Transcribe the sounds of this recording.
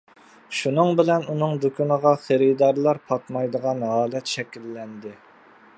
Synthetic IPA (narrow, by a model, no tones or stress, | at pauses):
ʃunɨŋbɪlɛnunɨŋd̪ukʲʰynəʁɑχeɾɪd̪ɑɾlˠɑɾpʰɑt̪mɑjd̪əʁɑnɦɑːlɛt̪ʃɛkʲilːɛnd̪ɪ